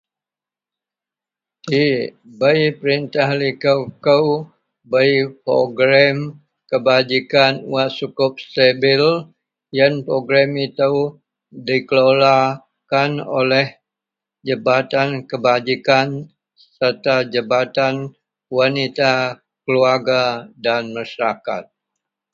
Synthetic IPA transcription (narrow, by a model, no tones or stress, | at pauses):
tibəjpəɾint̪ahlikəwkəw | bəjpɾo̰ɡɾam | kəbad͡ʒikanuwasukʊp̚st̪ebil | jənpɾoɡɾamit̪uw | dikəlola | kano̰lɛh | d͡ʒəbat̪ankəbad͡ʒikan | sərt̪ad͡ʒəbat̪an | wanit̪a | kəluarɡadanmaʃaɾaka̰t̪̚